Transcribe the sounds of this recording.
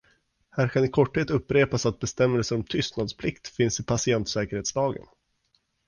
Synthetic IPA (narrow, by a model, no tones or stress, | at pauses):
hæːɾkʰanɪkʰɔʈːheːt̪ɵpːɾeːpasat̪̚bɛst̪ɛmːəlsəɾɔmt̪ʰʏst̪nad̪spʰlɪkt̪fɪnsɪpʰasɪɛnt̪sɛːkəɾheːt̪slɑːɡə̰n